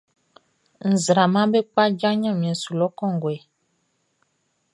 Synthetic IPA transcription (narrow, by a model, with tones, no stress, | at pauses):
n̩˨zɾa˨mã˦be˦k͡pa˦d͡ʒa˦ɲã˦˨mĩ˨ɛ̃˨su˨lɔ˦kɔ̃˦˨ŋ˨ɡwɛ˨